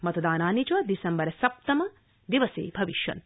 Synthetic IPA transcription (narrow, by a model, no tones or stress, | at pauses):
mɐt̪ɐd̪aːnaːnit͡ʃʋɐd̪isɐmbɐɾɐsɐp̚t̪ɐmɐ | d̪iʋɐsḛːbʱɐʋiʃjɐ̰n